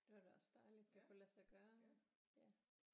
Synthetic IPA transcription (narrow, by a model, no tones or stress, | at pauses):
d̥eʋɑd̥eɒsd̥ɑ̈ɪlid̥d̥ekʰulæsɑɡ̥ɶːɐ | jæ